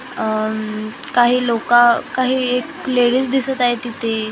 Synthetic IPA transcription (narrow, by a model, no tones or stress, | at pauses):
kaɦiːlokakaɦiːekleɽisd̪isət̪aɦet̪it̪e